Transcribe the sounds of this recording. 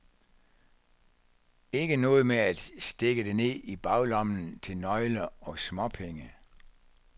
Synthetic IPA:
e̝ɡ̥ənɔ̽ːð̞̩ˠmeæd̥sd̥e̝ɡ̥əd̥ene̝ib̥ɑ̈ʊlɒ̽mnn̩t͡sʰe̝lnɒ̽ɪlɐɒ̽smɒ̽pʰeŋə

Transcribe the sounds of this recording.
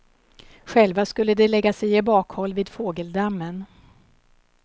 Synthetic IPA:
ɧɛlvaskɵlːəd̪ɛlɛɡːasɛjɛbɑːkhɔlːviːd̪foːɡəld̪amːən

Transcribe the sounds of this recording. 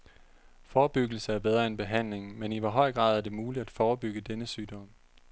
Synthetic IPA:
fɒːb̥yɡ̥l̩səæɐb̥eð̞ˠʁɐe̝nb̥e̝ɦæn̰le̝ŋmeniʋɑ̈ɦɒ̽ɪ̰ɡ̥ʁɑ̈ðˠæɐd̥e̝muːlid̥æd̥fɒːb̥yɡ̥əd̥enəsyːd̥ɒ̽m

